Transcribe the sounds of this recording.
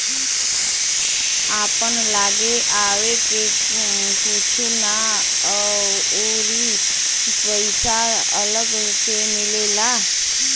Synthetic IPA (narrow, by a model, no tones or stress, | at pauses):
apəɳlaɡeʔaʋeke | kut͡ʃʰuna | o | ɾi | pəɪsa | ələɡ | semɪlela